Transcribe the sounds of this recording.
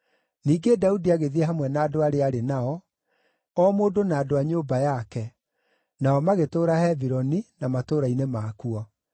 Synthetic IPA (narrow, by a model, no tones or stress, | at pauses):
niːɡedaudiaɣeðiɛɦamwɛnaːdoaɾeaɾenaɔ | ɔmoːdonaːdoaɲoːbajakɛ | naɔmaɣetoːɾahɛviɾɔninamatoːɾainemaːkuɔ